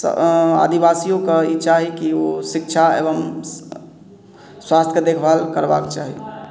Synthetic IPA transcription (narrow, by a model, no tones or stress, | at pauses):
a̰d̪ibasijokeit͡ʃaɦikiosikt͡ʃʰaḛbəm | swast̪ʰked̪ekʰbalkəɾba̰kt͡ʃaɦio